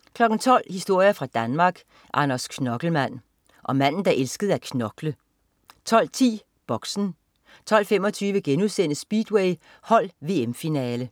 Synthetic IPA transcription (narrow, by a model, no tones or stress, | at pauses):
kʰlɒ̽ɡ̥n̩t͡sʰɒ̽l̰hisd̥o̝ɐ̰jɐfʁɑ̈d̥ænmɑ̈ːɡ̥ | ʔɑ̈nɐskʰnɒ̽ɡ̥l̩mæn̰ | ʔɒ̽mæn̰n̩d̥ɑ̈ʔelsɡ̥əð̞̩ˠækʰnɒ̽ɡ̥lə | t͡sʰɒ̽l̰t͡sʰḭː | b̥ɒ̽ɡ̥sn̩ | t͡sʰɒ̽l̰femɒ̽t͡sʰyːʋəɡ̥enuðˠsen̰əsb̥iːd̥weɪ | hɒ̽l̰ʋe̝ːemfinɛːlə